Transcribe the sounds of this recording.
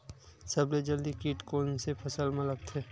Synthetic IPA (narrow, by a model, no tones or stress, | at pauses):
sɐbled͡ʒəld̪ikiːʈkoːnsepʰəsəlmẽləɡt̪ʰeː